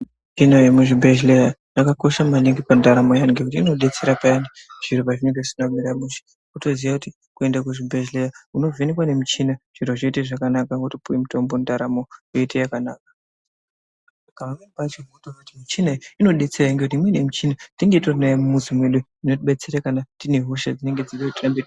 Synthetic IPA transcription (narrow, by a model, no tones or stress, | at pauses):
it͡ʃinojemuʐibʱeʒleɾajakako̞ʃamaneŋɡipandaɾamo̞jaŋɡekutiino̞ɗe̞t͡se̞ɾapaani | ʐ̥iɾopaʐineŋɡeʐisinakweɾamuʃi̥ | kuto̞ziʋakuti | kue̞ndakuʐibʱeʒlerauno̞vʱenikwane̞mit͡ʃinaʐ̥iɾoʐeteʐakanakakutopuwemuto̞mbondaɾamo̞jetejakanaːk̚ḁ | kamamembat͡ʃemutakutimit͡ʃinaino̞ɗe̞t͡seɾaiŋɡe̞kut̬imwe̞ne̞mut͡ʃinatiŋɡe̞tonajamumuzimwe̞ɗuinotiɓe̞t͡seɾakanatine̞ɦuʃa̰d͡zine̞ŋɡe̞d͡ziʋetiambe